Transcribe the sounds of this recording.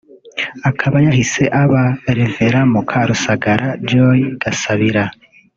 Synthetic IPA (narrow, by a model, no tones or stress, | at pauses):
akʰaβajahise̞ʔaβaeɾeveɾamukʰaɾusaɡaɾʔad͡ʒojiɡ̥asaβiɾa